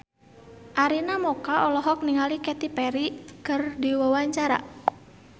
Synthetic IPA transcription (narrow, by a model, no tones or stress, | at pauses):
ʔaɾinamɔkaɔlɔɦɔk̚niŋalikɛt̪ipɛɾikɨrdiwawaɲt͡ʃaɾa̰